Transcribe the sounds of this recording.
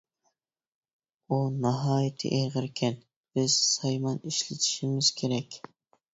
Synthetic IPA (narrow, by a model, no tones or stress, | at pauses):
unɑɦɑːjɪt̪ʰɪ̰ʔeʁɪɾkʲʰɛn | b̥ɪz̥sɑjmɑniʃlɪt̪ʰi̥ʃimɪz̥kʲʰeɾɛkʲ